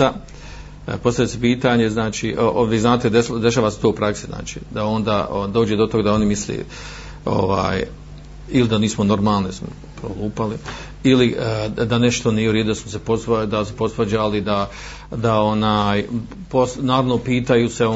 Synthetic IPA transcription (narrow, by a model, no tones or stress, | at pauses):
a | po̞st̪avʎesepiːt̪aːɲe̞znaːt͡ʃiːʔoʋiːznaːt̪ed̪ed̪eʃ̬aːʋaset̪oupɾaksizna̰ːt͡ʃi̥̰ːd̪ao̞nd̪aːʔod̪o̞ːd͡ʑed̪o̞t̪o̞ɡad̪ao̞nimislḛː | o̰ʋa̰ːj | ilid̪aniːsmono̞ɾmaːlˠnismo̰ | pɾoluːpali | ilid̪aneʃt̪o̞niːjeuɾed̪ud̪asmoseposd̪asupo̞st̪ʋɐd͡ʑalid̪a | d̪aonaːj | posnaːɾaʋno̞piːt̪ajuseo